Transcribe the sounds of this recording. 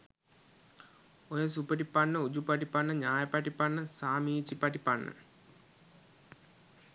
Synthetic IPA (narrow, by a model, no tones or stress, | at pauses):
ojəs̬upəʈipanːəud͡ʑupaʈipanːəɲaːjəpaʈipanːəsaːmiːt͡ʃipaʈipanːə̰